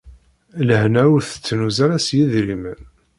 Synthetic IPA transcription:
ləhnæuɾθə̥t͡sːnuzaɾæsjiðɾimən

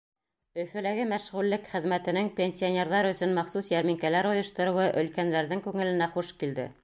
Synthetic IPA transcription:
ɵ̆fɘ̆læɡɘmæʃʁʉlːɘkχɘ̆ðmæt̪ɘ̆nɘŋpʲenʲsʲionʲe̞ɾðɑɾɵ̆sɵnmɑχsusjæɾmiŋkælæɾŏjɤ̆ʃt̪ŏɾɤ̆wɤʔɵ̆lkænd̪æɾðɘŋkʉŋɘ̆lɘ̆næχuʃkild̪ɘ̰

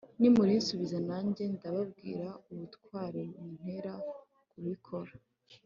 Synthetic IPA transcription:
nimuɾinsuβizanaːɲɟe̞ndaβab̚ɡḭːɾauβutkwaːɾeumun̥he̞ɾa | kuɾikʰo̞ɾa

